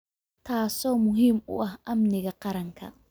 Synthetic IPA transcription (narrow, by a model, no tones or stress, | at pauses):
t̪ʰaːsɔːmʊɦiːmʊ̰ʔɐhʔɐmnɪɣɐqɑɾɐŋkʰɐ̰